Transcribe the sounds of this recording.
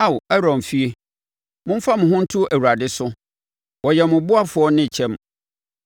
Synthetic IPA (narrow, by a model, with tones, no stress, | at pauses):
a˦wɛ˦ɾɔ̃˨mfi˦e˦ | mʊ̃˦m̩˦fa˦mʊ̃˨ɦʊ̃˦n̩˦tʰʊ˦ʔæ˨wu˨ɾa˨dɪ˦sʊ˦ | wɔ˨jɛ˨mʊ̃˨bʊ˦a˦fʊ˨ɔ˦nɪ̃˦˨t͡ɕʰɛ̃˦m